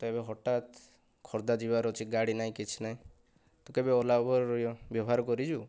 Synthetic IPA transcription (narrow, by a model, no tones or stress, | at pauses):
t̪ɔebeɦɔʈat̪ | kʰɔɾd̪ad͡ʒibaɾɔt͡ʃʰiɡaɽinaɦĩkit͡ʃʰi̥naĩ | t̪ɔkebeɔlabɔɾɾɔjɔbjɔbɔɦaɾɔkɔɾid͡ʒu